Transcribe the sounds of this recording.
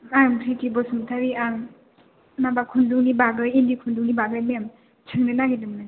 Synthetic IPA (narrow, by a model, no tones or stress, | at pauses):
ampʰɾitibɔsumtʰaɾiam | nabakʰunduŋnibaɡɯjindikʰunduŋnibaɡɯjmeam | t͡ʃʰɯŋnɯnaɡidɯmna